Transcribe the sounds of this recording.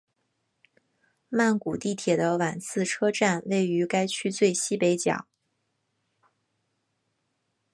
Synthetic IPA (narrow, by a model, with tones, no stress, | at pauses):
ma˥˩nku˨˩t̪i˥˩t̪ʰjɛ˨˩d̪ə˦wa˨˩nsʰɹ̩˥˩ʈ͡ʂʰɤ˥ʈ͡ʂa˥˧nwe˥˩ɪy˧˥ka˥ɪt͡ɕʰy˥t͡swe˥˩ɪɕi˥pe˧˥ɪt͡ɕjɑ̰˨˩˦ŋ